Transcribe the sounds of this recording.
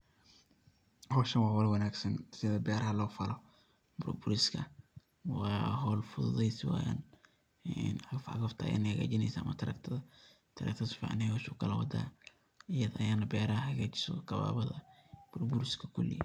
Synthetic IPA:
hɔːʃɐnwɑːwɐlwɐnaːɡsɐnsɪðɐbɛːɾɐhɐlɔːfɐlɔ | bʊɾbʊɾɪskʰɐ | wɑːɦɔːlfʊðʊðɛjsɪwa̰ja̰n | nɐɐfɐ̰ɣɐft̪ʰɐɐ̰ja̰ːnɐhɐɣa̰ːt͡ʃɪnɛjsamɐt̪ʰɐɾɐ̰kt̪ʰɐðɐ | t̪ʰɐɾɐ̰k̚t̪ʰɐsfḭʕ̰nɛjwʊʃuːkʰɐlɐwɐd̪a̰ː | ɪjɐðɐʔɐjaːnɐbɛːɾɐhɐɣaːt͡ʃɪ̥sɔ̰kɐβa̰ːβɐðɐb̥ʊɾbʊɾɪskʰɐkʰʊlːɪ̰jɐ

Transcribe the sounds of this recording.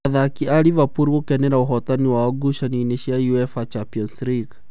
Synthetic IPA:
aðakiaɾivapuɾokɛnɛɾaoɦɔtaniwaɔɡuʃanineʃiajuɛfat͡ʃapiɔnsɾiɡ

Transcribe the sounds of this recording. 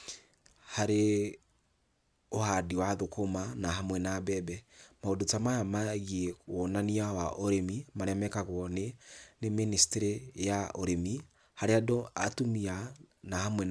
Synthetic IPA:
haɾe | ohadiwaðokʰomanaɦamwɛnabɛbɛmaodotamajamaɣiɛonaniawaʔoɾemimaɾɛmɛkaɣwɔneneministeɾejaoɾemi | haɾeadoatumianahamwɛ

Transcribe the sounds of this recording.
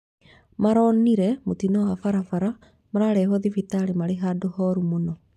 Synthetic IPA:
maɾɔniɾɛmotinɔwafaɾafaɾa | maɾaɾɛːɦɔðifitaɾemaɾeɦadohɔɾumonɔ

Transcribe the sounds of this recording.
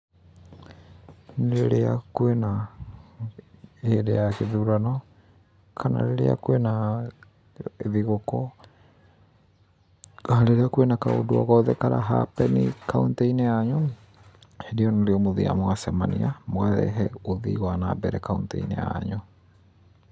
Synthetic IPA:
nɾeɾeakuena | eɾejakeðuɾanɔ | kʰana̰ɾeɾḛa̰kwena | eðiɣokɔ | ɾeɾeakwenakao̰duɔ̰ɣɔðɛkaɾa̰ɦa̰pɛnḭkaunteineaɲu | heɾiɔnoɾeɔmoðia̰moɣasɛmaniamoɣaðɛ̰ɦɛoðḭɣwanabɛɾɛkauntɛ̰inḛja̰ɲo

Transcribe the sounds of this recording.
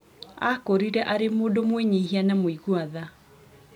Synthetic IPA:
akoɾiɾɛʔaɾemoːdomweɲehianamoiɣuaða

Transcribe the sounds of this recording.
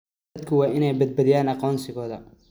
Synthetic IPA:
ɐd̪kʰɐwɑːʔɪnɛjbɐd̪̚bɐðɪjaːnɑqɔːnsɪɣɔːðɐ

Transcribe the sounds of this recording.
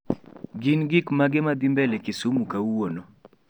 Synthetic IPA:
ɡinɡikmaɡɪmad̪imbɛlɛkɪsumukawwonɔ

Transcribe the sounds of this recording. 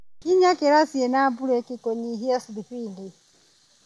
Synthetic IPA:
kiɲakɛɾasiɛnabuɾɛkikɔɲiɦiasidiɸindi

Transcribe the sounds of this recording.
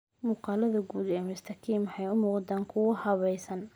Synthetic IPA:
muːqɑːlɐðɐɡuːd̪ɛːmʊst̪ʰɐkʰiːmħɛjʊmuːqd̪aːŋkʰʊwɐhɐβɛjsɐn

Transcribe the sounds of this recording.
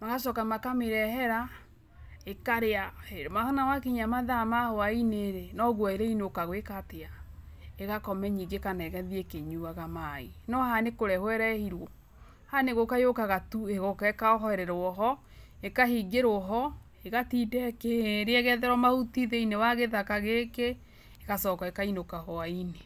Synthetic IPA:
maɣaʃɔkamakameɾɛɦɛɾa | ekaɾeaeɾmahɔnawakiɲamaðamahoaineɾenɔɣwaeɾeineokaɣwekatea | eɣakɔmɛɲiŋɡekanaɛɣɛðiekeɲuaɣamainɔhanekoɾɛhwɛɾɛhiɾwɔ | haneɣokajokaɣatueɣokaekaɔɦɔɛɾɛɾoɔɦɔ | ekaɦiɡeɾoɦɔ | eɣatidɛkeɾeɛɣɛðɛɾɔmahutiðeinewaɣeðakaɣekeː | ɣasɔːkaekainokahoaine

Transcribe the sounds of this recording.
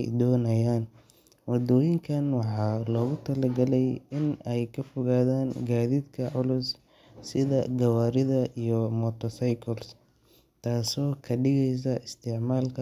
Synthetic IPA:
jd̪ɔːnɐjaːn | wɑd̪ɔːjɪŋkʰɐnwɑħɑːlɔːɣʊt̪ʰɐlɐɡɐlɛjɪnɛjkʰɐfɔɣaːðaːnɡaːðiːd̪kʰɐʕʊlʊs | sɪðɐ̰ɡɐwaːɾɪðɐʔijɔmɔt̪ʰɔsɐjkʰɔls | t̪ʰaːsɔːkʰɐɖɪɣɛjs̬ɐʔɪst̪ʰɪʕmaːlkʰɐ

